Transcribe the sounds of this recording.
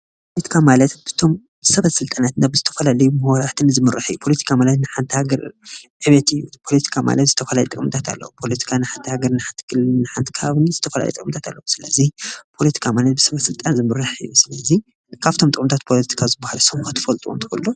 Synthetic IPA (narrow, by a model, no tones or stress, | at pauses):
ppolet̪ʰi̥kʰamalɐt̪bɨt̪ʰo̞m | bsɐβɐsɨlt̪ʼanat̪nabɨzɨt̪ʰɐfɐlalɐjumɨhwaɾat̪ʰɨnzɨmɨɾaħɨ̰jːupʰo̞lɐt̪ʰi̥kʰamalɐt̪nɨħant̪ʰihaɡɐɾʕɨβɐt̪ɨjːupʰo̞lɐt̪ʰi̥kʰama̰lɐt̪zɨt̪ʰɐfɐlalɛt̪ʼkʼmɨt̪ʰat̪ʰa̰lːɐ̰wupʰo̞lɐt̪ʰi̥kʰanɨħant̪ʰihaɡɐɾnɨħant̪ʰɨ̥kʰɨlnːɨħant̪ʰi̥kʰɐβaβɨnzɨt̪ʰɐfɐla̰lɐ̰t̪ʼɨkʼmɨt̪ʰat̪ʰa̰lːɐwusɨlɐzipʰo̞lɐt̪ʰi̥kʰamalɐt̪̚bɨsɐβɐsɨlt̪ʼanzɨmɨɾaħɨjusɨlɐzi | kʰaβt̪ʰo̞mt̪ɨkʼmt̪ʰat̪̚pʰo̞lɐt̪ʰi̥kʰazɨbːahalusomxɨt̪ʰːɨ̥fɐlt̪ʼṵmt̪ʰɨ̥kʰulːo